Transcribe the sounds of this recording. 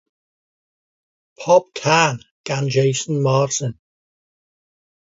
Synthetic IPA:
pʰɔb̥̚kʰanɡ̥ãnd͡ʒeɪsə̃nmaːtɪ̃n

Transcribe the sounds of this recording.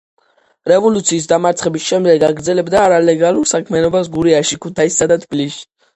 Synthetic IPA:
ɾɛvɔlut̪sʰiːs̬d̪amaɾt̪sʰχɛbisʃɛmd̪ɛɡaɡɾd̪zɛlɛbd̪aːɾalɛɡalˠuɾsakʰmianɔbasɡuɾiaʃikʰut̪ʰaisːad̪at̪ʰb̥iliʃi̥

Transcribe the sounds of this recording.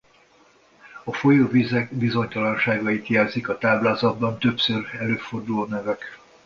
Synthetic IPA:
ɒfo̞joːvizɛkbizo̞ɲt̪ɒlɒnʃaːɡɒit̪jɛːlzikɒt̪aːblaːzɒd̪̚bɒnt̪øpsørɛløːfo̞rd̪uloːnɛvɛk

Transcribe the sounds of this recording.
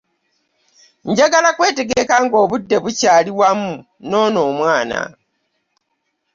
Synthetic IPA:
ɲɟaɡalakwe̞ːte̞ɡekaŋɡo̞ːβudːe̞βucaːliwamu | noːno̞ːmwaːna̰

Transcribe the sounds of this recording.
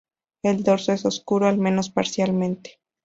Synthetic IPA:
e̞ld̪o̞ɾsoeso̞skuɾoalmẽ̞no̞spaɾsjalmẽnt̪e̥

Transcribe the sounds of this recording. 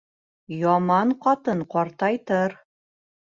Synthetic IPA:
jɒmɑɴqɒt̪ɤnqɒɾt̪ɑjt̪ɤɾ

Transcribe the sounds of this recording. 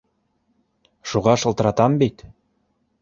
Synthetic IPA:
ʃuʁɑʃɤ̆lˠt̪ɤ̆ɾɑt̪ɑmbit̪

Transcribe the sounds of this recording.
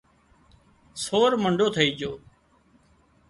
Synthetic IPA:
soːɾməɳɖʱoːt̪ʰəiːd͡ʒoː

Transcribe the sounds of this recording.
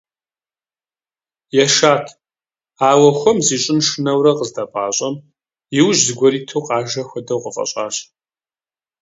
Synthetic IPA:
jɛʃaːtʰ | aːwɐxʷɔmziːɕʼɪnʂɨnɐwrɐqəzdapʼaːɕʼɐm | jɪwʒzɨɡʷɔɾiːtʰowqʼɑːʒɐxʷɐdɐwqʼəfʼɐ̰ɕʼa̰ːɕ

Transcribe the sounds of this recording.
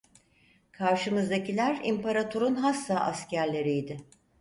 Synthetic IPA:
kʰaɾʃɯmɯzd̪acilʲæɾimpʰaɾat̪ʰoɾunɦasːaʔascʰæɾlʲe̞ɾijd̪ɪ

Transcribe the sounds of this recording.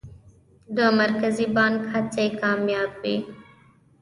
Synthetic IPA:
d̪əmaɾkazibɑnɡhat͡sekɑmjɑːbwi

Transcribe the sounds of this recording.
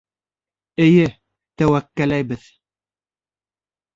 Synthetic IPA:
ɘ̆jɘ | t̪æwækːælæjbɘð

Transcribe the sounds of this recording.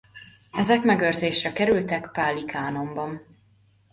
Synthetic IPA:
ɛzɛkmɛɡørzeːʃrɛkɛɾylt̪ɛkpaːlːikʰaːno̞mbɒn

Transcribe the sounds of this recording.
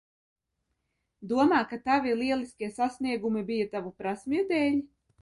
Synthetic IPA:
d̪uɔmaːkat̪avʲilˠiɛlˠiskʲiɛsasniɛɡumibijat̪avupɾasmiud̪ɛːlʲi

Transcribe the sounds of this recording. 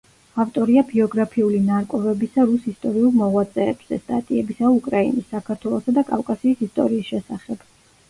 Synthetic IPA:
aft̪ʼɔɾiabiɔɡɾapʰiulinaɾkʼɔvɛbisaɾusist̪ʼɔɾiulˠmɔʁwat̪sʼɛːbz̥ɛ̰st̪ʼat̪ʼiɛbisaukʼɾainisːakʰaɾt̪ʰwɛlˠɔsad̪akʼavkʼasiːsist̪ʼɔ̰ɾiːsʃɛsaχɛb̥

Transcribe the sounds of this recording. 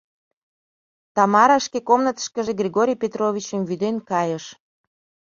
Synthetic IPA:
t̪ɑmɑɾɑʃkekomnət̪ə̥ʃkə̆ʒeɡrʲiɣoɾʲijpʲet̪roβʲit͡ɕəmvyd̪enkɑjəʃ

